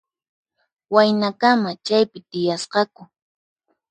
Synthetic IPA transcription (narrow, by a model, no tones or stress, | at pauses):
wajnakamat͡ʃajpɪt̪ɪjasqɑkʊ